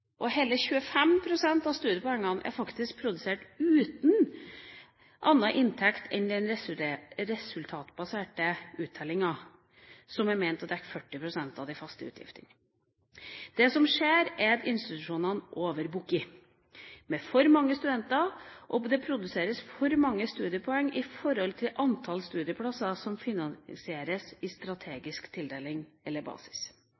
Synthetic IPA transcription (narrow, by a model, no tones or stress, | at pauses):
ʔɔheːləçʉːəfɛmpʰɾʊsɛnt̪ɑʋst̪ʉːd̪əpɔɛŋːɑnæ̰ɾfɑkt̪ɪsk̚pʰɾʊd̪ʉseːʈʉːt̪n̩ | ʔɑnːɑʔɪnt̪ʰɛkt̪ʰɛnd̪ɛn | ɾɛsʉlt̪ʰɑːt̪bɑseːʈəʉːt̪ʰːɛlɪŋɑ | sɔmæmæɪnt̪ɑt̪d̪æɾfœʈːɪpʰɾʊsɛnt̪ɑʋd̪ɪfɑst̪əʉ̰ːt̪ʰjɪ̰ft̪ən | d̪̥ɛsɔmʂeːɾɛɾɪnst̪ɪt̪ʉʂuːnɑnʔoːʋəɾbukɪ | mɛfɔɾmɑŋːəst̪ʉd̪ɛnt̪ɑʔɔd̪ɛpʰɾʊd̪ʉseːɾəsfɔɾmɑŋːəst̪ʉːd̪ɪəpʰɔɛŋːʔɪfɔɾɔlt̪ʰɪlʔɑnt̪ʰɑlst̪ʉːd̪ɪəpʰlɑsɑsɔmfɪnɑnsɪeːɾəsɪst̪ɾɑt̪ʰeːɡɪskt̪ʰɪld̪eːlɪŋɛlːəɾbɑ̰ːsɪ̥s